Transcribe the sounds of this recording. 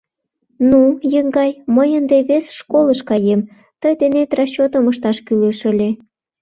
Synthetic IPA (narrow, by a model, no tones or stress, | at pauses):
nujəŋɡɑjməjənd̪eβesʃkoləʃkɑjem | t̪əjd̪enet̪rɑɕːot̪əməʃt̪ɑʃkyleʃə̆lʲe